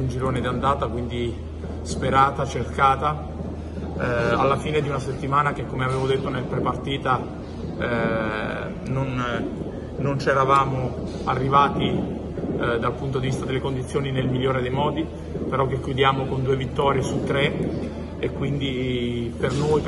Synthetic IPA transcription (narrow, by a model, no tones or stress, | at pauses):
und͡ʒiɾoːned̪iand̪aːt̪akwind̪i | speɾaːt̪at͡ʃerkaːt̪a | alːafiːned̪iunaset̪ːimaːnak̟ekːomeaveːvod̪et̪ːonelpɾepart̪iːt̪a | non | nont͡ʃɛɾavaːmo | arːivaːt̪i | d̪alpunt̪od̪ivist̪ad̪elːekond̪it̪sːjoːninelmiʎːoːɾed̪ejmɔːd̪i | peɾɔkːekːjud̪jaːmokond̪uːevit̪ːɔːɾjesut̪ːɾe | ekːwind̪ipernoj